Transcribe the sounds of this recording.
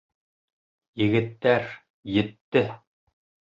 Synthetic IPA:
jɘ̆ɡɘ̆t̪ːæɾ | jɘ̆t̪ːɘ

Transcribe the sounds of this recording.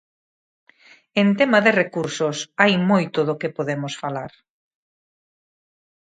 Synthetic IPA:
ent̪emɐðɪrekuɾsʊsajmojt̪ʊðʊkɪpoðemʊsfalaɾ

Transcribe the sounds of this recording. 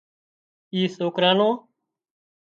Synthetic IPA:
iːsoːkɾãːnõː

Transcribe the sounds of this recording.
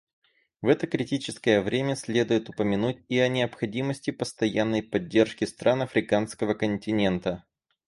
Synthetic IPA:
vɛt̪əkɾʲɪtʲit͡ɕɪskəjəvɾʲemʲəsʲlʲe̞d̪ʊjɪt̪ʊpəmʲɪnutʲiɐnʲɪəpxɐdʲiməsʲtʲɪpəst̪ɐjanːəjpɐdʲːe̞rʂkʲɪst̪ɾʔanɐfɾʲɪkanskəvəkənʲtʲɪnʲe̞nt̪ə

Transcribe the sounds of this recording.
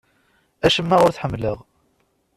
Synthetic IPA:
æʃəmːaʁʊɾθħəmːləʁ

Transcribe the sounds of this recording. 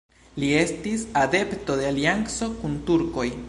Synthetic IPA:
lie̞stisad̪e̞pto̞de̞aliaŋso̞kuntuɾko̞j

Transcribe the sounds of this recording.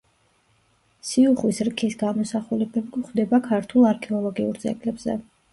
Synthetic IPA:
siuχwisɾkʰisɡamɔsaχulɛbɛmɡuχd̪ɛbakʰaɾt̪ʰulˠaɾkʰɛɔlˠɔɡiuɾd̪zɛ̰ɡlɛbzɛ̰

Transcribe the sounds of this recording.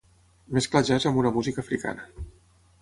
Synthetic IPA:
mesklaʒazəmbunəmuzikəːfɾika̰nə

